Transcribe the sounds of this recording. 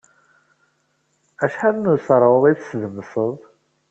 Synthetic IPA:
æʃħaðnusɾˤəðˤiθsðəmːəsˤəðˤ

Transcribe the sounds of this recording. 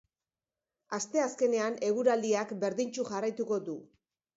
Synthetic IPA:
ast̪e̞aske̞ne̞ane̞ɣuɾald̪iakbe̞ɾðint͡ʃuʝarajt̪uko̞d̪u

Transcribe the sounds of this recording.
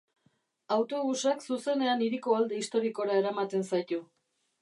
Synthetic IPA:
awt̪o̞ɣusaksuse̞ne̞aniɾiko̞ald̪eist̪o̞ɾiko̞ɾae̞ɾamat̪e̞nsajt̪u

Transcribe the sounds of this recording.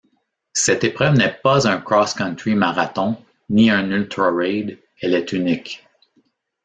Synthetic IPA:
sɛt̪epʁœvnɛpazœ̃kʁɔskɑ̃nt̪ɹimaʁat̪ɔ̃ | niɛ̃nylt̪ɾɔɹɛɪd̪ | ɛlɛt̪ynɪk

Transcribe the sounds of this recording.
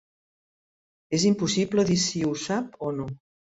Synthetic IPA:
ezimpusiβləðisiusapono

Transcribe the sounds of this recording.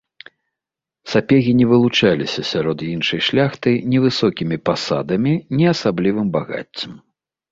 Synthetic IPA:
sapʲɛɣʲinʲɛvɨlˠut͡ʂalʲisʲɐsʲaɾɔd̪jinʂɐjʂlʲaxt̪ɨjnʲɛvɨsɔkʲimʲipasa̰d̪ɐmʲinʲɛɐsablʲivɨmbaɣa̰t͡sʲːɐm

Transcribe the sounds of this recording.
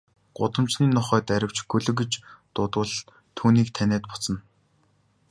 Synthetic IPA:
ɢ̥ʊ̰t̪ə̆mt͡ɕniːnɔχœːt̪æɾʲɪ̆w̥t͡ɕɡɵɮɵ̆kĕt͡ɕt̪ʊt̪ʊːɮ | t̪ʰːuːniːk̚t̪ʰænæːt̪pʊ̥t͡sə̆n

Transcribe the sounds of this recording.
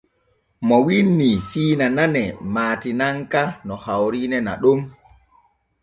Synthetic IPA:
mɔwinːifiːnananɛmaːtinaŋkanɔhawɾinɛna̰ɗum

